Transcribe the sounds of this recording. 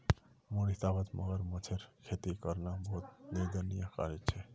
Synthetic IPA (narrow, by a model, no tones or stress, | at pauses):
muɽit̪abət̪mʔə̰ɡəɾmət͡ʃʰeɾkʰet̪ikəɾnabəɦut̪̚niɾd̪ənijaka̰ɾet͡ʃʰɛ